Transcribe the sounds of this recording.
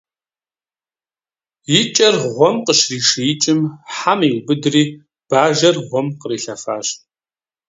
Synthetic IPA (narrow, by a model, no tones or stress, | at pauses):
jɪt͡ʃʼɐrʁʷɔmqəʃriːʂɨjɪt͡ʃʼɪmħamiwbɨdriː | b̥aːʒɐrʁʷɔmqəriːɬɐfa̰ːɕ